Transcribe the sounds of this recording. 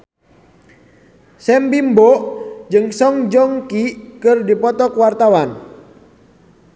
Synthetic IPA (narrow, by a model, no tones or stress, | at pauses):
sɛmbimbɔd͡ʒɨŋsɔŋd͡ʒɔŋkikɨrdipɔt̪ɔkwart̪awan